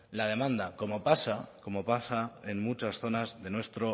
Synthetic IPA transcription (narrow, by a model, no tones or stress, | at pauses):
lað̞e̞mãnd̪ako̞mo̞pasako̞mo̞pasae̞nmut͡ʃasθo̞nazðe̞nwe̞st̪ɾo̞